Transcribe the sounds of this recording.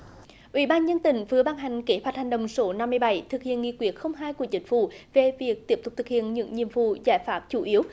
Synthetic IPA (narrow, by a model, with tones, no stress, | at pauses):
ʔwḭ˧˥ɓaː˧nɲə˧nt̪ï˨˦ŋ̟vɨ˨˦əɓaː˧nɦa˨˩jŋ̟ke˨˦hwa˨˩t̚ha˨˩jŋ̟ɗə̰˨wŋ͡mso˨˦na˧mːɨ˧jɓa˧˩jt̪ʰɨ˨˩k̚hḭ˧˨ənŋḭ˧˨kwi˨˦˥ət̚xə˧wŋ͡mɦaː˧jku˧˩ət͡ɕï˨˦ŋ̟fṵ˧˩ve˨˩vi˨˩ək̚t̪i˦˥əp̚t̪ʊ˨˩k͡p̚t̪ʰɨ˨˩khḭ˧˨ənɲɨ̰˧˥ŋɲḭ˧˨əmvṵ˧˨zaː˧˩jfaː˨˦˥p̚t͡ɕu˧˩˦ʔi˨˦əw